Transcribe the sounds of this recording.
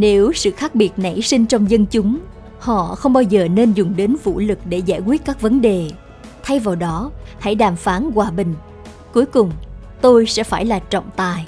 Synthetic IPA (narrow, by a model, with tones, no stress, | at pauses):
ne˨˦wsɨ̰˧˨xaː˦˥k̚ɓi˨˩ət̚na̰˧˩jsï˧ŋ̟t͡ɕɔ˧wŋ͡mzə˧nt͡ɕʊ˨˦ŋ͡m | hɔ̰˧˨xə˧wŋ͡mɓaː˧wzəː˨˩ne˧nzʊ˨˩ŋ͡mɗe˨˦nvṵ˧˥lɨ˨˩k̚ɗe˧˩zaː˧˩jkwi˦˥ət̚kaː˦˥k̚və˨˦nɗe˨˩ | t̪ʰa˧jvaː˨˩wɗɔ˨˦ha̰˧˩jɗaː˨˩mfaː˨˦nkwaː˨˩ɓï˨˩ŋ̟ | ku˨˦əjkʊ˨˩ŋ͡m | t̪o˧jsɛ̰˧˥faː˧˩jlaː˨˩t͡ɕɔ̰˧˨wŋ͡mt̪aː˨˩j